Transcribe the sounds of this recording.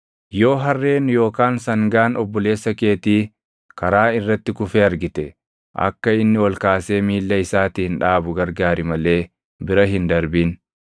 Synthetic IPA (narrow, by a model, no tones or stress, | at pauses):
jo̞ːɦɐrːeːnjo̞ːkaːnsɐŋɡaːnɔbːɔle̞ːsːɐke̞ːt̪iː | kɐɾaːɪrːɐt̪ːɪkʊfeːɐɾɡɪt̪ɛ | ʔɐ̰kːɐɪnːɪwɔlkaːse̞ːmiːlːɐɪsaːt̪iːnᶑaːbʊɡɐɾɡaːɾɪmɐle̞ː | bɪɾɐɦɪnd̪ɐɾbiːn